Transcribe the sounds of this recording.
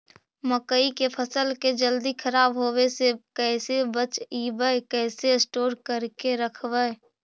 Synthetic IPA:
məkəikepʰəsəlked͡ʒəld̪ikʰəɾaːbɦoːwesekɛɪsebət͡ʃiːbəkɛːsesʈoːɾkəɾkeɾəkʰbə

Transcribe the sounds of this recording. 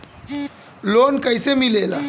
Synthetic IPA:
lonkəjsemilela

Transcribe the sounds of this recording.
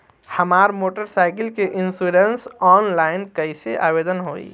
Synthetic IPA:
həmaːɾmoːʈəɾsaɪkəlkeʔinsuɾensɔːnlaːɪnkəɪseʔa̰ːbed̪ənɦoːḭ

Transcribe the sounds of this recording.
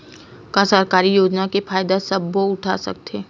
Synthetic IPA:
kãsəɾkaːɾijoːd͡ʒnakefaːjd̪asɐbːoʊʈʰa̰sɐ̰k̚t̪eː

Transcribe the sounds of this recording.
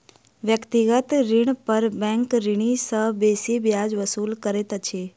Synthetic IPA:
ʋjəkt̪iɡət̪ɾɪɳ̃pəɾbɛ̃ŋkɾɪɳ̃isəɦbesibjad͡ʒʋəsulkəɾet̪at͡ʃʰe

